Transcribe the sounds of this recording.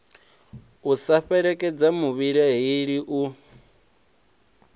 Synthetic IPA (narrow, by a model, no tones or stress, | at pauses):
usaɸɛɺɛkʼɛd͡zamuβiɺaɦiɺiʔu